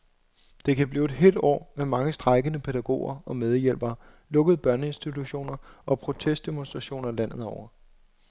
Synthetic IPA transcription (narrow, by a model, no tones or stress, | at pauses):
d̥e̝kʰæb̥liːʊed̥ɦe̝̰ld̥ɒ̰ːmemɑ̈ŋəsd̥ʁɑ̈ɪɡ̥ənəpʰe̝d̥æɡ̥o̝̰ːɐɒ̽með̞ˠjel̰b̥ɐ | lɔ̽ɡ̥əð̞̩ˠb̥ɶɐnəe̝nsd̥it͡sʰuɕo̝̰ːnɐʔɒ̽pʰʁo̝t͡sʰesd̥emo̝nsd̥ʁɑ̈ɕo̝̰ːnɐlæn̰ð̞̩ˠɒʊɐ